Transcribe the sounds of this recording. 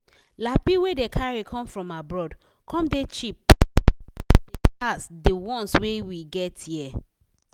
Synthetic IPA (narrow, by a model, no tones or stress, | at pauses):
lapiwedekʰaɹikʰɔ̃mfɹɔ̃mabɹɔd | kʰɔ̃mdet͡ʃip̚ | depasdewɔ̃nswewiɡɛtjiɛ